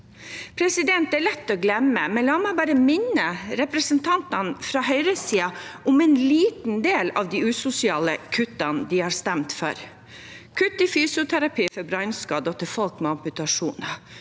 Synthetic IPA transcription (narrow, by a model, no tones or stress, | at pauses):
pʰɾɛsɪd̪ɛnt̪æɭɛt̪ːɔːɡlɛməmɛnlɑːmæɪbɑːɾəmɪnːəɾɛpɾəsənt̪ʰɑnt̪ɑnfɾɑːɦœʏɾəsiːɑʊmɛnliːt̪n̩d̪eːlɑ̰ʋd̪iːʉːsʊsɪɑːləkʰʉt̪ːɑnd̪ɪhɑːɾst̪ɛmt̪fɔ̰ɾ | kʰʉt̪ːɪfyːsʊt̪ʰæɾɑpiːfɔɾbɾɑʏnskɑːd̪ɔt̪ʰəɾfɔlkmɛɑmpʉt̪ɑʂuːnɑ